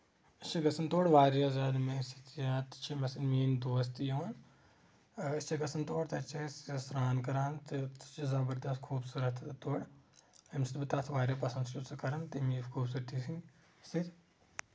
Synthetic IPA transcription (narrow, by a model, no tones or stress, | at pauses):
ɐst͡ʃʰɐɡɐsɐnt̪oːɽʋaːɾjazaːd̪mesi̥t̪jaːt̪t͡ʃʰimɐsɐnmiːnd̪oːs̬t̪joːn | ɐt͡ʃʰɐɡɐsɐnt̪oːɽt̪ɐt͡ʃʰessɾaːnkɐɾaːnt̪ɐt͡ʃɐzɐbɐɾd̪ɐst̪kʰuːbsuɾɐt̪ʰt̪oːɽɐmsi̥t̪bɨt̪aːt̪ʰʋaːɾʲjɐpɐsɐnd̪st͡ʃusɐkɐɾɐnt̪imiːfkʰuːbsuɾt̪isi | sit̪